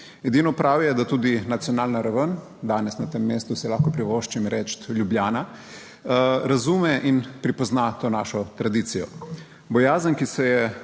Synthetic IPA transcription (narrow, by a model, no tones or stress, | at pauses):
ɛd̪inɔpɾawjɛd̪at̪uːd̪inat̪siɔnaːlnaɾaʋən | d̪aːnɛsnat̪emːeːst̪usɛlaːxkɔpɾiʋoʃt͡ʃimɾʔɛːt͡ʃt̪ljubljaːna | ɾazumɛʔinpɾipɔznat̪oːnaːʃɔt̪ɾad̪iːt̪sijɔ | bɔjaːzənkisɛjɛ